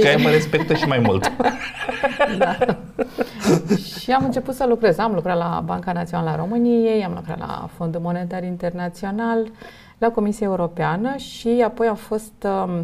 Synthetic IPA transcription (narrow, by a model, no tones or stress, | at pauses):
ajməɾespek̚t̪əʃimajmult̪ | d̪a | ʃiamɨnt͡ʃe̞put̪səlukɾe̞zamlukɾat̪la̰baŋkanat̪sio̞nalaɾo̞mɨnije̞jamlukɾa̰t̪la̰fo̞nd̪umo̞ne̞t̪arint̪e̞rnat̪sio̞nal | lako̞misiae̞uɾo̞peanəʃiapo̞jamfo̞st̪